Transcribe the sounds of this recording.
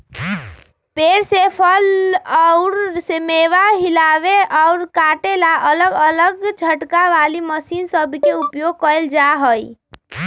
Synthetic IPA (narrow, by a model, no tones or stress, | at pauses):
peːɾsepʰəlɔʊɾsemeːʋaɦɪlaːʋeʔɔʊɾkaːʈelaʔələɡələɡt͡ʃʰəʈkaʋaːliməsiːnsəbʱkeʊpjoːɡ̚kəɪld͡ʒaːɦoḭ